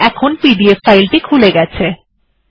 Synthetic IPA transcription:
ɛkʰonpibiefːajlʈikʰuleɡɛt͡ɕʰe

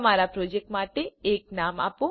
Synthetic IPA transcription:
maːɾapɾoːd͡ʒek̚ʈmaːʈeeːk̚naːma̰ːpo

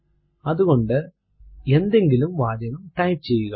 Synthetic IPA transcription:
ɐðuɣo̞ɳɖɨ | e̞nd̪e̞ŋɡilumʋaːd͡ʑɐnɐmʈɐjpt͡ɕe̞jːuɣɐ

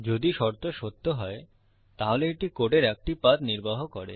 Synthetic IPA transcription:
d͡ʑod̪iʃɔɾt̪oʃot̪ːoɦɔe | t̪aɦoleeʈikoʈeɾɛk̚ʈipat̪niɾbaɦokɔɾḛ

